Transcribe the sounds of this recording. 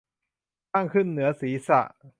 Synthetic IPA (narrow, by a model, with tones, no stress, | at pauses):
taː˥˩ŋkʰɯ˥˩nːɯ˩˦ɐsiː˩˦sa̰˨˩ʔ